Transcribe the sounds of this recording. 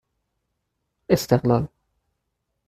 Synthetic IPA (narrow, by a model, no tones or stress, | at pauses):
ʔɪst̪ɪqlaːl